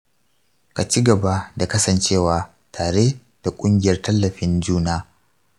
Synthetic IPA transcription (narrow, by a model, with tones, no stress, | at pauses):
ka˨t͡ʃi˦ɡɐ˨ba˦da˨kɐ˦sɐ˨nt͡ʃeː˦˨waː˨ | tʰaː˨ɽe˦ | d̥a˨kʷʼʊ˦ŋɡʲɪ˨jɐ˦rtɐ˦lːɐ˨ɸɪ˦nd͡ʒuː˦naː˦